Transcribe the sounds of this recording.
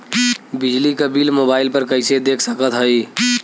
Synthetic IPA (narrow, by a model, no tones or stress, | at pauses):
bɪd͡ʒlikəbiːlmoːbaːɪlpəɾkəɪsed̪eːkʰsəkət̪ɦəi